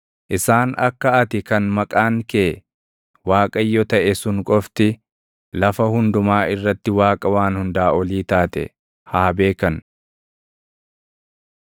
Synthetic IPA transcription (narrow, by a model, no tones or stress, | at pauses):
ʔɪsaːnɐ̰kːɐɐt̪ɪkɐnmɐkʼaːŋkeː | waːkʼɐjːɔt̪ɐʔɛsʊŋkʼɔft̪ɪ | lɐfɐhʊnd̪ʊmaːɪrːɐt̪ːɪwaːkʼɐwaːnhʊnd̪aːʔɔliːt̪aːt̪ɛ̰ | haːbe̞ːkɐn